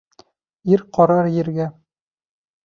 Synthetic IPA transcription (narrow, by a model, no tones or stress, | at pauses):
iɾqɒɾɑɾjɘ̆ɾɡæ